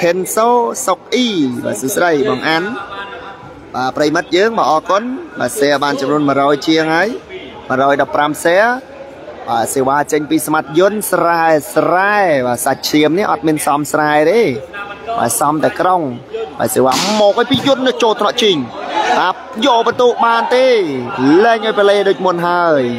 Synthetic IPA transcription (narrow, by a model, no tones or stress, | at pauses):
kʰensoːsok̚ʔiːɓa̰ːsuːsɗəjɓɑːŋʔan | ɓaːprəjimɨt̪̚jəːŋɓaːʔɑːkʊnɓa̰ːsɛəɓaːnt͡ɕɑmnuənmə̆ɾɔːjt͡ɕiəŋhaəj | mərɔːjɗɑpːramsɛə | ɓaːseːʋaːt͡ɕəɲpiːsamat̪̚jʊ̆ənsraɛsraɛɓaːsac̚t͡ɕʰiəmniəʔɑt̪̚miənsɑmsraɛt̪eːɓa̰ːsɑmt̪aɛkroŋɓa̰ːseːʋaːmɔːk̚əːjpiːjʊ̆nːɨt͡ɕoːlt̪ʰnɑʔt͡ɕiɲɓaː | jɔʔɓət̪uːʔɓaːnt̪eːlɛːŋʔaːjpəleːɗoːc̚munɦaəj